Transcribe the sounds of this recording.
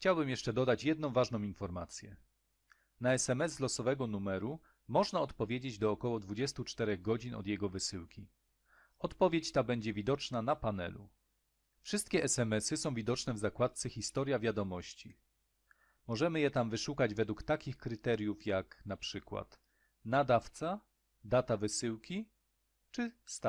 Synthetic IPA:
xt͡ɕawbɘmjɛʂt͡ʂɛd̪ɔd̪at͡ɕjɛd̪̚nɔ̃w̃vaʐnɔ̃w̃infɔɾmat̪sʲjɛ̰ | naɛsɛmɛzːlɔsɔvɛɡɔnumɛɾu | mɔʐnaɔt̪pɔvʲjed͡ʑed͡ʑd̪ɔːkɔwɔd̪vud͡ʑɛst̪ut͡ʂt̪ɛɾɛɣɡɔd͡ʑinɔ̰d̪jɛɡɔvɘsɘwkʲi | ɔt̪pɔvʲjet͡ɕt̪abɛɲd͡ʑɛvʲid̪ɔt͡ʂnanapanɛ̰lṵ | fʂɘst̪̚kʲɛʔɛsɛmɛsɘsɔ̃w̃vʲid̪ɔt͡ʂnɛvzakwat̪̚t̪sɛxʲist̪ɔɾjavʲjad̪ɔmɔɕt͡ɕi | mɔʐɛmɘjɛt̪amvɘʂukad͡ʑvɛd̪wukt̪akʲixkɾɘt̪ɛɾʲjufjaknapʂɘkwa̰t̪ | nad̪aft̪sa | d̪at̪avɘsɘwkʲi | t͡ʂɘst̪a

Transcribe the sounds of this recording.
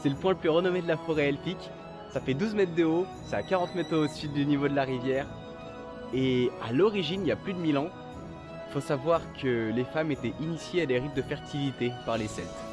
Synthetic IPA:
sɛləpwɛ̃ləplyʁənɔmed̪əlafɔʁɛɛlpikʲ | safɛd̪uzmɛt̪̚d̪əo | saːkaʁɑ̃t̪mɛt̪χood̪əsid̪ynivod̪əlaʁivjɛːʁ | ealɔʁiʒiniljaplyd̪əmilɑ̃ | ifosavwaʁkʰəlefamet̪ɛʔinisjead̪eʁit̪̚d̪əfɛʁt̪ʰilit̪epaʁlesɛlt̪

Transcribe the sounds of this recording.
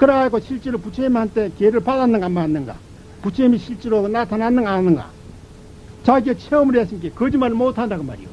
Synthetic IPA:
kɯɾaɡoɕʰiɭt͡ɕ͈eɾoput͡ɕʰemihant͈e̞keɾɯɭpadanːɯŋɡamanːɯŋɡa̰ | put͡ɕʰemiɕʰiɭt͡ɕ͈eɾonatʰanɦanːɯnanːɯnɡa̰ | t͡ɕaɡiet͡ɕʰeɯmɯɾesʰinkekɯd͡ʑimanɯɭmotʰandaɡoma̰ɾḭjo̰

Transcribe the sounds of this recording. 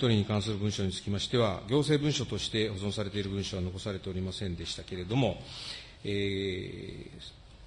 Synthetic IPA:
t̪o̞ɾʲiɲ̟ikãɰ̃sɨɾɯ̟bɯ̟̃ɰ̃ɕo̞ːɲ̟it͡sɨ̥kʲimaɕi̥t̪e̞βaɡʲo̞ːse̞ːbɯ̟̃ɰ̃ɕo̞t̪o̞ɕi̥t̪e̞ho̞zõ̞saɾe̞t̪e̞iɾɯ̟bɯ̟̃ɰ̃ɕo̞β̞ano̞ko̞saɾe̞t̪e̞o̞ɾʲimasẽ̞nd̪e̞ɕi̥t̪ake̞ɾe̞d̪o̞mo̞ | eː

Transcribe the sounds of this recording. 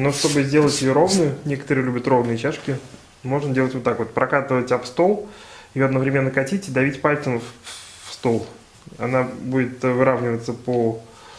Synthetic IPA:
no̞ʂt̪o̞bɨzʲdʲe̞lˠətʲjɪjoɾo̞vnɨjnʲe̞kə̥t̪əɾɨjlʲubʲət̪ɾo̞vnɨjət͡ɕaʂkʲɪ | mo̞ʐnəzdʲelˠtvo̞t̪ːakvo̞t̪pɾʔɐkat̪ɨvətʲɐpst̪o̞lˠɪjoɐd̪nəvɾʲɪmʲe̞nːəkɐtʲitʲɪd̪ɐvʲitʲpalʲt̪səmffst̪o̞lˠ | ɐnabudʲɪt̪vɨɾavnʲɪvət̪sːəpo

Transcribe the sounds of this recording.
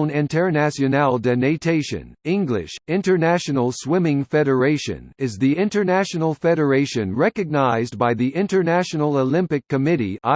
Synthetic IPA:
ʊ̃nɪ̃ntʰə˞næʃiɨnælˠdɨneɪtʰeɪʃɨ̰̃nɪ̃ŋɡlɪ̰ʃɪ̃ntə˞næʃɨnl̩ˠswɪ̃mɪ̃ŋfɛɾə˞eɪʃɨ̰̃nɪzðiɪ̃ntə˞næʃɨnl̩ˠfɛɾə˞eɪʃɨ̃nɹɛkɨɡ̚naɪzbaɪðiʔɪ̃ntə˞næʃɨnl̩ˠolɪ̃mpɨkʰːɨmɪɾḭʔa

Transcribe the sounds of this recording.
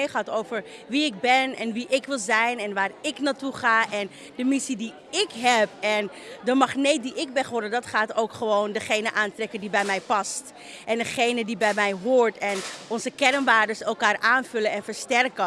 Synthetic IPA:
ejχəɦɑtowvəɹ | ʋiɪɡ̚bɛnɛnʋiʔɪkʋɪlˠzɛjnɛnʋaːrɪknaːtuχaːʔɛn | dəmɪsidi | ɪkɦɛpɛndəmɑχnejt̚diʔɪɡ̚bɛnχəʋɔɹdədɑtχaːtowkχəʋowndəχejnəʔaːntrɛkəndibɛjmɛjpɑst | ʔɛndəχejnədibɛjmɛjɦoːɹtɛnʔɔnzəkɛrənʋaːdəɹsɛlˠkaːrʔaːnvɵlənɛnfəɹstɛrkə

